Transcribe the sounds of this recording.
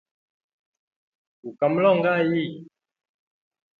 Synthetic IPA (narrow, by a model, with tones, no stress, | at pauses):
ku˨ka˨˦m˦lɔ˦˨ŋ˦ɡa˦˨ji˦˨